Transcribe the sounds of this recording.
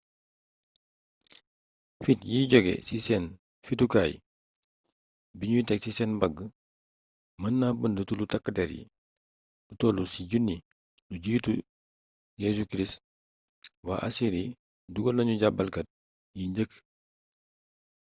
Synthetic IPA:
fitjiɟɔɡɛ̰sisɛn | fitukaj | biɲujitɛksisɛnbɐɡːə | mɐnːabəndətulutɐkːɐdɛɾjḭ | utɔːlusiɟunːi | luɟiːtu | jesukɾist | wa̰ːʔɐsiɾi | duɡɔnɐɲuɟabːɐlkɐt̚ | jiɲɟək

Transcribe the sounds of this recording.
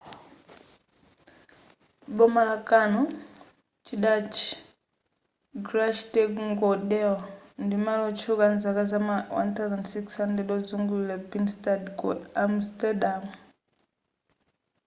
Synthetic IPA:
ɓɔmalakʼanɔ | t͡ʃiɗat͡ʃʰi̥ | ɡɾaʃtɛɡŋɡɔɗɛɔndimalɔt͡ʃʰukanzakazamawa̰nt̪awzandsiksandɛdɔzuŋɡululɛpinstadɡɔamstadam

